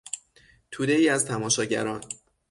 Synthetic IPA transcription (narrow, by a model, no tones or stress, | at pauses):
t̪ʰuːd̪eiːæzt̪ʰæmɒːʃɒːɟæ̰ɾɒːn